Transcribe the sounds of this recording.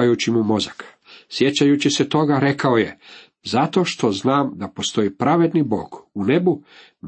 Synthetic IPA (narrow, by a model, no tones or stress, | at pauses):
ajut͡ɕimumo̞zak | sje̞t͡ɕajut͡ɕiset̪o̞ɡaɾe̞kaoje | zat̪o̞ːʃt̪o̞znaːmd̪apo̞st̪o̞ipɾaʋe̞d̪nibo̞̰ːɡune̞bu | n